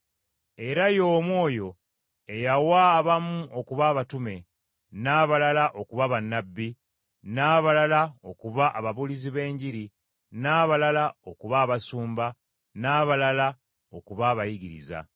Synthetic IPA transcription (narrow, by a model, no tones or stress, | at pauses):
e̞ɾajo̞ːmwo̞ːjo̞ | e̞jawaβamuʔo̞kuβaːβatume̞ | naːβalalaʔo̞kuβaβanːabːi | naːβalalaokuβaʔaβaβuliziβe̞ːɲɟiɾi | naːβalalao̞kuβaːβasuːmba | naːβalala | o̞kuβaːβajiɡiɾḭza̰